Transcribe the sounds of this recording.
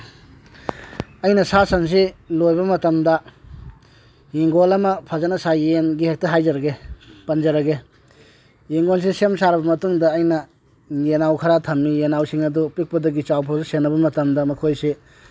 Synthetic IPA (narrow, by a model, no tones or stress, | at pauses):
ɐjnɐsasɐns̬ilojbɐmɐtɐmdɐ | jiŋɡolɐmɐpʰɐzanɐsajenɡihek̚tɐɦajzɐɾɐɡepɐnd͡ʒɐɾɐɡe | jiŋɡols̬isemsaɾɐbɐmɐtuŋdɐːjnɐ | jenawkʰɐɾatʰɐmːijenawsiŋɐdupik̚pɐdɐɡit͡ʃawpʰawzɐsenːɐbɐmɐtɐmdɐmɐkʰojse